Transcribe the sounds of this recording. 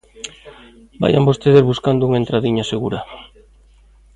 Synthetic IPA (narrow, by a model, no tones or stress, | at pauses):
ba̰ja̰mbost̪eðezβuskand̪ʊuŋaent̪ɾaðiɲaseɣuɾa